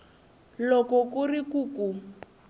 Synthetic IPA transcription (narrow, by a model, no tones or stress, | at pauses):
lɔkɔkurikuːku